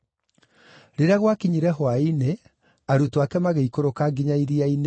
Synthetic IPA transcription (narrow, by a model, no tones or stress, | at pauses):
ɾeɾaɣwakiɲiɾɛɦwaine | aɾutoakɛmaɣeikoɾokaɡiɲaiɾiaine